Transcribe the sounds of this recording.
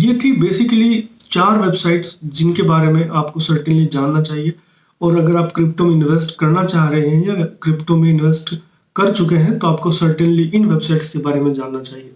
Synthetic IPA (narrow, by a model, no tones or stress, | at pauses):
jeːt̪ʰibeːsɪkəlit͡ʃaːɾʋeːbsaːɪʈsd͡ʒɪnkebaːɾemẽʔaːpkosəɾʈə̃nlid͡ʒaːnːat͡ʃaːɦie | ɔːɾɐɡəɾaːpkɾɪpʈõmẽɪ̃nʋeːsʈkɐɾnat͡ʃaːɦɾɐɦiɦɛ̃jakɾɪpʈõmẽɪ̃nʋeːsʈ | kɐɾt͡ʃʊkeɦɛ̃t̪oaːpkosəɾʈənliʔɪnʋebsaɪʈskebaːɾemẽd͡ʒaːnːat͡ʃaːɦieː